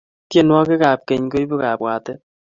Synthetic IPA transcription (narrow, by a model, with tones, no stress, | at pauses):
tje˦˨nwɔ˦kɪ˦ka˨p̚ke˨ɲko˦i˦bu˦ka˨pwa˨tɛ˦